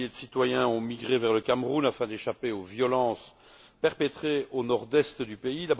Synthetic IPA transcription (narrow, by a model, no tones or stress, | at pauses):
ed̪əsit̪wajɛ̃ɔ̃miɡʁevɛʁləkʲamʁunafɛ̃d̪eʃapeovjɔlɑ̃ːs | pɛʁpɛt̪χeonɔʁd̪ɛst̪d̪ypeilab